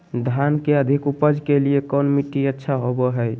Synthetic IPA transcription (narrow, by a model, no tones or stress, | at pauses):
d̪ʱankeəd̪ʱikupəd͡ʒʱkeliekɔnmiʈiətːʃʰaɦobɔɦəj